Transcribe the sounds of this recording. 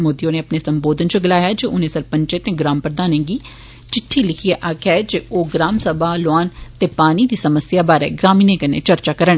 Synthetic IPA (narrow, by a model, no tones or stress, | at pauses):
moːd̪ijõːneːəpneːsəmboːd̪ənt͡ʃʊɡɪlaːjaːd͡ʒeʊnẽːsəlpə̃ɲt͡ʃet̪ẽːɡɾaːmpəɾəd̪aːnẽːɡiː | t͡ʃɪʈʰːiːlɪkʰieʔaːkʰɛːd͡ʒeoːɡɾaːmsəbʱaːlaːnt̪eːpaːniːd̪iːsəməsjaːbaːɾḛːɡɾaːmiːnẽːkənḛːt͡ʃəɾt͡ʃaːkəɾəɳ